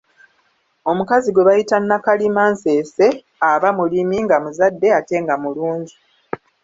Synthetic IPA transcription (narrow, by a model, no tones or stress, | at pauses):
o̞mukaziɡweβajitanːakalimaːnse̞ːse̞ | aβamulimiŋɡamuzadːe̞ate̞ŋɡamuluːɲɟi